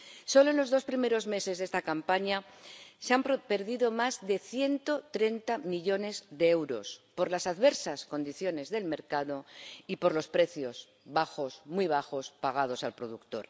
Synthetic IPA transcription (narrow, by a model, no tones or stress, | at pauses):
so̞lo̞e̞nlo̞zðo̞spɾime̞ɾo̞zme̞se̞zðe̞st̪akampaɲa | seamppe̞ɾðiðo̞mazðe̞θje̞nt̪o̞t̪ɾe̞nt̪amiʎo̞ne̞zðeewɾo̞̰spo̞ɾlasaðβe̞ɾsasko̞nd̪iθjo̞ne̞zðe̞lme̞ɾkaðo̞ipo̞ɾlo̞spɾe̞θjo̞s | βaxo̞smwiβ̞axo̞spaɣ̞að̞o̞salpɾo̞ðukt̪o̞̰ɾ